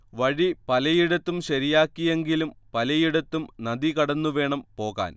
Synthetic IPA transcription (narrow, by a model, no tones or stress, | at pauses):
ʋɐɻipɐlɐjiɽɐt̪ːumɕɐɾijaːkːije̞ŋɡilumpɐlɐjiɽɐt̪ːumnɐd̪ikɐɽɐnːuʋe̞ːɳɐmpo̞ːɣa̰ːn